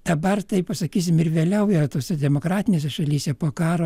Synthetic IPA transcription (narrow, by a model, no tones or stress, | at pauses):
d̪̥ɐbɐrt̪ɐɪppɐsɐkʲiːs̬ʲɪmɪrʋʲeːlʲɛʊjɛt̪oːsʲɛd̪ʲɛmoːkɾɑːt̪ʲɪnʲeːsʲɛʃɐlʲiːsʲɛpoːkɑːɾoː